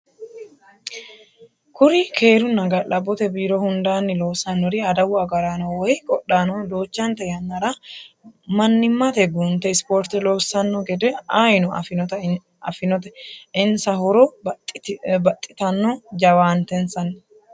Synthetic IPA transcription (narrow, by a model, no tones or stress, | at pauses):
kʊɾɪkʰeːɾʊnɐɡɐlɐbːɔt̪ɛbiːɾɔhʊnd̪aːnːɪloːsɐnːɔɾɪɐd̪ɐwʊɐɡɐɾanɐwɔjɪkʼɔɗːaːnɔd̪o̞ːt͡ʃːɐnt̪ɛjɐnːɐɾɐ | mɐnːɪmːɐt̪ɛɡunt̪ɛɪspoɾt̪ɛloːsːɐnːɔɡɛd̪ɛɐjnʊɐfɪt̪ɐ | ɐ̰fɪnɔt̪ɛɪnsɐhɔɾɔ | bɐt̪ʼːɪ̥t̪ɐnːɔd͡ʒɐwaːnt̪ɛnsɐnː